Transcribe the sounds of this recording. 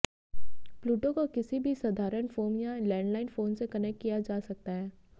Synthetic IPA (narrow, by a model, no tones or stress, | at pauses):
pluːʈokokɪsibʱisɐd̪ʱaːɾənfoːmjalɛ̃ːɳɖlaːɪnfoːnsekɐnɛkʈkijad͡ʒaːsɐk̚t̪aɦɛː